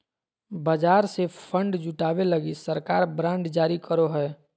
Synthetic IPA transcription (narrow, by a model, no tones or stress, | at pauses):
bəd͡ʒaːɾsepʰə̃ɳɖd͡ʒʊʈaːweləɡisəɾkaːɾbɾãːɳɖd͡ʒaːɾikəɾoɦɛː